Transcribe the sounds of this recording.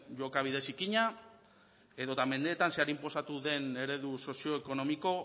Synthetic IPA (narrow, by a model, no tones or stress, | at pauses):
ʝo̞kaβ̞iðe̞sikiɲa | e̞ðo̞t̪ame̞nd̪e̞ːt̪anseaɾimpo̞sat̪uðe̞ne̞ɾe̞ðuso̞sio̞eko̞no̞miko̞